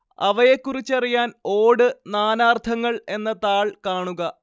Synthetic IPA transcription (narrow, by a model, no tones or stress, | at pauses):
ɐ̰ʋɐje̞kːurit͡ɕːɐrijaːno̞ːɽɨnaːnaːrt̪ʰɐŋːɐɭe̞nːɐt̪aːɭkaːɳuɣɐ